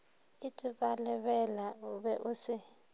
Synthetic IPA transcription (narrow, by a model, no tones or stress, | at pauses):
itʼiɓalɛɓɛlauɓɛʔusi